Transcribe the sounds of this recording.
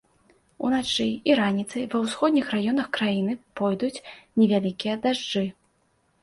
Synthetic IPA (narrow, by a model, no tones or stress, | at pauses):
ṵnat͡ʂɨiɾanʲit̪sɐjvɐwsxɔd̪ʲnʲixrajɔn̪ɐxkɾajinɨpɔjd̪ut͡sʲnʲɛvʲalʲikʲijɐd̪aʐd͡ʐɨ